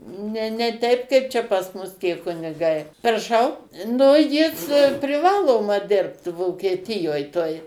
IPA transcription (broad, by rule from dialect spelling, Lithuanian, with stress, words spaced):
ˈnʲɛ nʲɛ ˈtʲɛɪp kɐɪp ˈt͡ʃʲɛ pɐs ˈmʊs tʲiɛ kʊnʲɪˈɡɐɪ prɐˈʃɐʊ ˈnʊ ˈjɪs pʲrʲɪˈʋɑːlˠoːmɐ ˈdʲɪrpt ʋoːkʲiɛtʲɪˈjoːj toːj